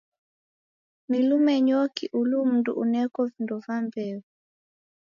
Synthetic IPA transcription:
nilumɛɲɔkiʔulum̩ndṵʔunɛkɔvindɔvambɛvu

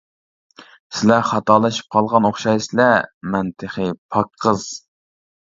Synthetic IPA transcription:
sɪlɛχɑt̪ɑːlˠɑʃi̥p̚qʰɑlˠʁɑnoχʃɑjsɪlɛmɛnt̪ʰəχəpʰɑkʰːəz̥

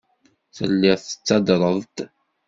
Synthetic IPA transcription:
θə̰lːɪʁθə̥t͡sːɑd̪ɾˤəðˤt̪

